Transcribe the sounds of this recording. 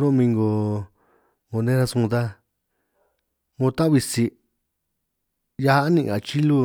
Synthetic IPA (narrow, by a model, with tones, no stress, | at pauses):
ɾo˦˧mĩ˧ŋɡo˧˨ | ŋo˧nẽ˦ɾa˦˧sũ˧d̪a˦ | ŋõ˧t̪ã˦βi˧si˧ | ja˧ha˦nĩ˧ʔa˨t͡ʃi˦lu˧